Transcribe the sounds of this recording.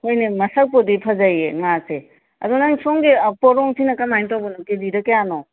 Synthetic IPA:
hojnemɐsɐk̚podipʰɐzajeŋase | ɐ̰dunaŋsoŋɡipɔɾɔŋsinɐkɐmajntawbɐnokediɾɐkːejanɔ

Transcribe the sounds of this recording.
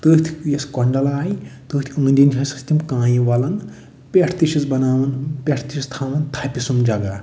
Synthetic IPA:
t̪ɨt̪ʰi̥kjeskɔɳɖɐlaːjt̪ɨt̪ʰiɨnd̪ʲinʲʰɐsi̥st̪imkãːjĩʋɐlɐn | pʲeʈʰt̪iʃit͡sbɐnaːʋɐnpʲeʈʰt̪iʃist̪ʰaːʋɐnt̪ʰapʲisumd͡ʒɐɡa

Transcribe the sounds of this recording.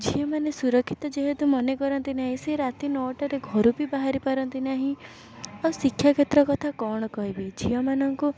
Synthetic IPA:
d͡ʒijɔmanesuɾɔkʰːit̪ɔd͡ʒeɦet̪umɔnekɔɾɔnt̪inaɦĩseɾat̪inɔʈɔɾeɡʱɔɾubʱibaɦaɾipaɾɔnt̪inaɦĩ | awsikʰjaket̪ɾɔkɔt̪ʰakɔɽ̃ɔkɔɦibid͡ʒiɔmanɔŋku

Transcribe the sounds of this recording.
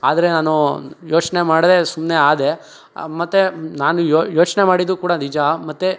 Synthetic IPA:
a̰ːd̪ɐɾe̞naːnujo̞ːt͡ʃne̞maːɽd̪esumneaːd̪e | mɐt̪ːenaːnujojo̞ːt͡ʃne̞maːɽid̪ɾukuːɽanid͡ʒamɐt̪ːe

